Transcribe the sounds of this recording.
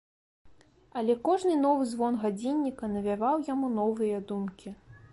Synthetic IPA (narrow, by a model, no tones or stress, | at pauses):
ɐlʲɛkɔʐnɨnɔvɨzvɔnɣad͡zʲinʲːikɐnɐvʲavawjamunɔvɨjɐd̪umkʲi